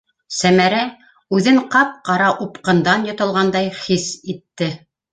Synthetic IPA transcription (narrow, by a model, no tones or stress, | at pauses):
sæmæɾæ | ʉðɘɴqɑp̚qɑɾɑʔupqɤ̆nd̪ɑnjŏt̪ɤ̆lˠʁɑnd̪ɑjχisit̪ːɘ